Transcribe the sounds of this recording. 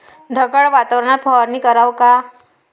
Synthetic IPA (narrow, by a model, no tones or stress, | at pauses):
ɖʱəkəɭʋat̪aʋɾɳ̃at̪̚fʰɔɾniːkəɾawka